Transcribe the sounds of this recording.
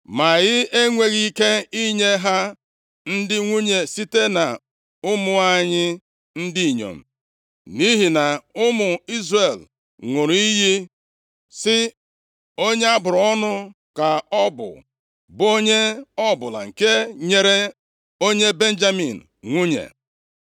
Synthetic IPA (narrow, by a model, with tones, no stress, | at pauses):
ma˨ɣɪ˦e˦ŋʷe˨ɣi˦ke˦i˦ɲe˦ɦa˦ | n̩˦dɪ˦ŋʷu˦ɲe˨si˦te˦na˨ | ʊ˦mʊ˨a˦ɲɪ˦ | n̩˦di˦i˨ɲo̰˨m̩˨ | ni˦ɦi˨na˨ʊ˦mʊ˨i˦zre˨l | ŋʷo˨ɾi˦ɦi˦ | sɪ˦ | o˦ɲe˦a˦bʊ˨ɾɔ˦nʊ˦ | ka˨ɔ˦bʊ̰˨ | bo˦ɲe˦ɔ˦bʊ˨la̰˨ŋ̩˨ke˦ɲe˨ɾe˦ | o˦ɲe˦be˦n̩˦d͡ʒa˦mḭ˨n̩ | ŋʷu˦ɲḛ˨